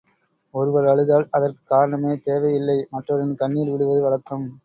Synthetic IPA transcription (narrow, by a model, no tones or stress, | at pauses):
ɔɾɯʋɐɾɐɭɯðaːlɐðɐrkɯ̥kːaːɾɐɳɐmeːt̪eːʋɐɪjɪlːɐɪmɐʈrɐɾɪnkɐɳːiːlʋɪɽɯʋɐðɯʋɐɭɐkːɐm